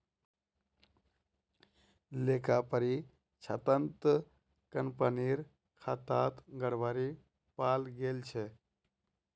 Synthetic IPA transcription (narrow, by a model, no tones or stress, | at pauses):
lekapəɾi | t͡ʃʰə̰t̪ənt̪ | kəmpəniɾ | kʰat̪at̪ɡəɽbaɾi | palɡelt͡ʃʰe